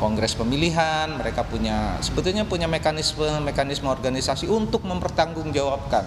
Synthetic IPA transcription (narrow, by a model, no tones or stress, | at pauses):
kɔŋɡɾɛspəmiliɦanməɾekapuɲasəbət̪ulɲapuɲamekanisməmekanisməɔrɡanisasiunt̪ʊk̚məmpərt̪aŋɡʊŋd͡ʒawap̚kan